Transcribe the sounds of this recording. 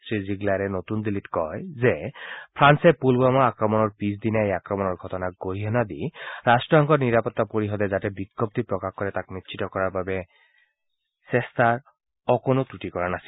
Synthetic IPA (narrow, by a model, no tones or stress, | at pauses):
sɹiziɡlaɾɛnotund̪ilitkɔjzɛpʰɹansɛpulbamaakɹɔmɔnɔɹpisd̪inaejakɹɔmɔnɔɹɡʱɔtɔnaɡoɹiɦɔnad̪iɹastɹɔɦɔŋkɔniɹapɔt̪ːapoɹiɦɔd̪ɛzatɛbikːɔp̚t̪ipɹɔkaxkɔɹɛtakmitt͡ʃʰitɔkɔɹaɹbabɛ | sɛstaɹ | ɔkonot̪utikɔɹanasil